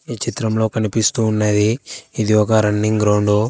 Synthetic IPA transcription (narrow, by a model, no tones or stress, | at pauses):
iːt͡ʃit̪ɾɐmlo̞ːkɐnipist̪uːnːɐd̪iːd̪iɔkɐɾɐnːiŋɡɾɐwɳɖu